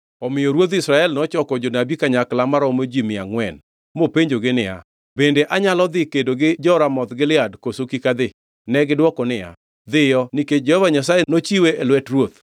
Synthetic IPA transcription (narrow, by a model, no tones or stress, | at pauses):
ɔmɪjɔɾwot̪̬isɾaɛlnɔt͡ʃɔkɔd͡ʒonabikaɲaklamaɾɔmod͡ʒimɪaŋwɛn | mopeɲd͡ʒoɡɪnɪja̰ | bendeʔaɲalɔd̪ɪkedoɡɪd͡ʒɔɾamɔt̪ɡɪlɪadkosokikad̪ɪ | nɛɡɪdwɔkɔnɪja̰ | d̪ɪjɔniket͡ʃd͡ʒɛhɔvaɲasajenot͡ʃiweelwɛtrwot̪